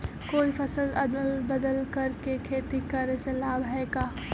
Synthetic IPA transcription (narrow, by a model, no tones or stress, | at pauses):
koːipʰɐsəlɐd̪əlbɐd̪əlkɐɾkekʰeːt̪ikɐɾsɐlaːbɦɛkaː